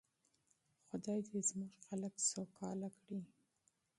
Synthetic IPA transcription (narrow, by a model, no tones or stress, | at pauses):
xʊd̪ɑjd̪ezmʊʒxaləksowkʰɑlakɽi